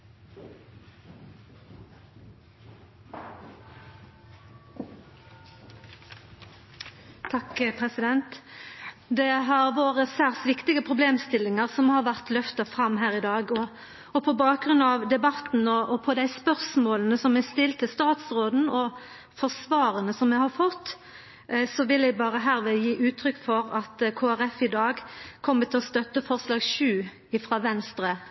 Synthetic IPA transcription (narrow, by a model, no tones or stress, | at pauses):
t̪ʰɑkpʰʁɛsɪd̪ɛnt̪ | d̪ɛɦɑʁʋoːʁəsæːʁsʋɪkt̪ɪɡəpʰʁʊbleːmst̪ɪlːɪŋəʁsɔmhɑːʁʋæʁt̪lœft̪ɑfʁɑmːɦæːʁɪd̪ɑːɡɔ | ɔpʰɔbɑːk̚ɡɾʉnɑʋd̪ɛbɑt̪n̩ɔʔɔpʰɔd̪æɪspœʁsmoːlənəsɔmɛst̪ɪlt̪ʰːɪst̪ɑːt̪sʁoːd̪n̩ɔ | fɔʁsʋɑːɾənəsɔmːɛhɑɾfɔt̪ː | sɔʋɪlɛɪbɑːʁəɦæːɾʋɛjiːʔʉːt̪ʰɾʏkːfɔɾɑt̪kʰoːæʁɛfɪd̪ɑːɡkʰɔmːət̪ʰɪlɔst̪œt̪ːəfɔʁslɑːɡʃʉː | ɪfɾɑːʋɛnst̪ɾə